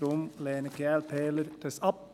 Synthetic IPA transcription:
ɾɔmleːnəkɛːlpeːlərd̥əsɑp̚

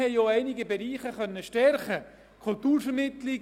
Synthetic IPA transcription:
ɛjjoːæɪnɪɡəbɛɾiːχəχœnːəʃtɛɾχə | kʰʊlt̪uːɾfəɾmɪtlɪ

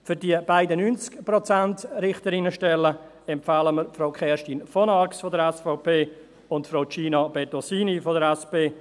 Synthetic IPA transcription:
fʏɾdiəb̥aɪdənynt͡skpɾɔt͡santɾɪχtəɾɪnəʃtɛlːə | ɛmpfaːləməɾfɾoʊkʰχɛːɾʃtiːnfɔnɑɾksfodəɾɛsfaʊpʰeː | ʊntfɾoʊt͡ʃiːnɑb̥ɛtosiːnifodəɾɛspeː

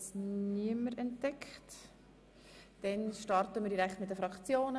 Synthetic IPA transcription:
sniəməɾɛntd̥ɛkχt | d̥ɛnʃtɑɾtəməɾdiɾɛktmɪt̚dəfɾɑkχt͡sjoːnə

